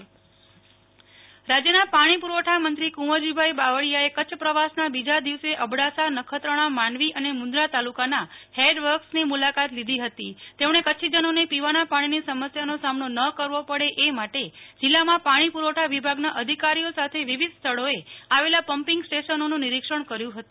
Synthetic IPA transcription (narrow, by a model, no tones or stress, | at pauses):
ɾad͡ʒjənapaɽ̃ipuɾʋəʈʰamənt̪ɾikũʋəd͡ʒibʱaibaʋəɽijaekət͡ʃʰəpɾəʋasnabid͡ʒad̪iʋseʔəbɽasanəkʰət̪ɾəɽ̃amaɳʋiʔənemʊ̃nd̪ɾat̪alukanaheɖʋəɾksnimulakat̪lid̪ʱiɦət̪it̪emɽ̃ekət͡ʃʰid͡ʒənonepiʋanapaɽ̃inisəməsjanosamnonəkəɾʋopəɽeʔemaʈed͡ʒɪlːamãpaɽ̃ipuɾʋoʈʰaʋibʱaɡnaʔəd̪ʱikaɾijosat̪ʰeʋiʋid̪st̪ʰəɭoeaʋelapəmpɪŋɡsʈeʃənonũniɾikʂəɳ̃kəɾjũɦət̪ũ